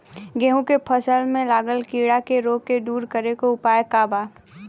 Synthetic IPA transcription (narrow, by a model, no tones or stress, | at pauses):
ɡɛɦũkepʰəsəlmẽlaːɡəlkiːɽakeɾoːked̪uːɾkəɾekoʊpaːjekaːbaː